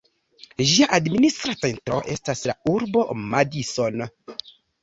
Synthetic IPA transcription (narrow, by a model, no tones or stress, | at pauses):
ʒiaʔadministɾat͡sentɾo̞ʔe̞staslauɾbo̞madiso̞n